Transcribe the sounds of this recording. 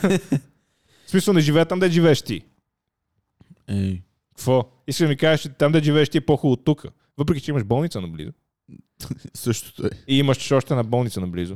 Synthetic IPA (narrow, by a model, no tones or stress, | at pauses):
smisəlˠnɛʒivɛːət̪amd̪ɐʒivɛɛʃt̪i | ɛ | kɐ̥kvɔ | iskəd̪ɐmikaʒət͡ʃɛt̪amd̪ɐʒivɛːʃt̪iɛpɔxulˠot̪ːukʰə | vəp̬ɾɛkʲit͡ʃɛiməʃbɔlˠnit̪sənɐblḭzʊ | sɤʃt̪o̥t̪ɔjiiməʃɔʃt̪ɛnɐbɔlˠnit̪sənɐblḭzʊ